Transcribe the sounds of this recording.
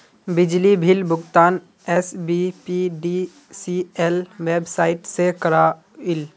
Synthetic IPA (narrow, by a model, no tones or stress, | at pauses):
bɪd͡ʒlibʱɪlbʊɡt̪aːn | ɛsbipiɖi | siɛlʋeːbsaːɪʈsekəɾaː | ɪl